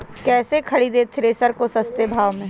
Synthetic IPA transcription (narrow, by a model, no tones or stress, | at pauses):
kɛːsekʰɐɽid̪eːt̪ʰɪɾeːsəɾkosɐst̪ebʱaːʋmẽː